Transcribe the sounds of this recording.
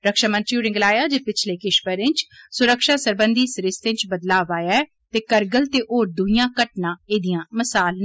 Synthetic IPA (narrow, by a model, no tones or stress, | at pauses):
ɾəkʃaːmə̃nt̪ɾiuːɾɪ̃ŋɡlaːjaːd͡ʒeːpɪt͡ʃʰleːkɪʃpəɾɪ̃nt͡ʃsʊɾəkʃaːsəɾbənd̪iːsɾɪst̪ɪ̃ɲt͡ʃbəd̪laːʋaːjaːɛː | t̪eːkəɾɡəlt̪eːʔoːɾd̪ʊijãːkəʈnãːeːd̪ɪjãːməsaːl